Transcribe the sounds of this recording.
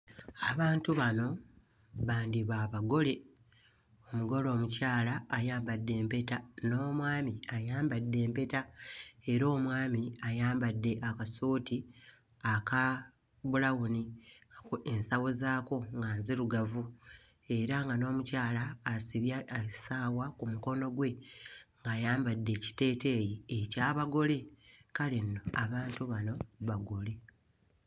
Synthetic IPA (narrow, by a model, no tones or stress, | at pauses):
aβaːntuβano̞ | βaːndiβaːβaɡo̞le̞ | omuɡo̞lo̞ːmucaːlaːjaːmbadːe̞ːmpe̞tano̞ːmwaːmiajaːmbadːe̞ːmpe̞tae̞ɾo̞ːmwaːmiajaːmbadːe̞ʔakasoːtʰi | aka | βulawuniaoe̞nsawozaːko̞ŋɡaːnziɾuɡavu | e̞ɾaŋɡano̞ːmucaːlaːsiβjasaːwakumuko̞no̞ɡwe̞ŋɡajaːmbadːe̞ci̥te̞ːte̞ːjiecaːβaɡo̞le̞kalinːo̞aβaːntuβano̞βaɡo̞le̞